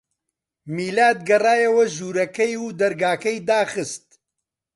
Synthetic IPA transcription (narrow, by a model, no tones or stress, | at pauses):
miːlaːd̪̚ɡɐraːjɐwɐʒuːɾɐkɐjuːd̪ɐɾɡaːkɐjd̪aːxɨst̪̚